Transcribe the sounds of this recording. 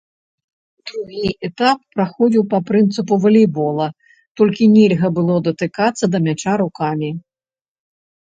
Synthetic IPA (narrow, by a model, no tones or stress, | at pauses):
d̪ɾuɣʲiʔɛt̪apːɾaxɔd͡zʲiwpɐpɾɨnt̪sɨpuvɐlʲɛbɔlˠɐ | t̪ɔlʲkʲinʲɛlʲɣɐbɨlˠɔd̪ɐt̪ɨkat̪sːɐd̪ɐmʲat͡ʂaɾukamʲi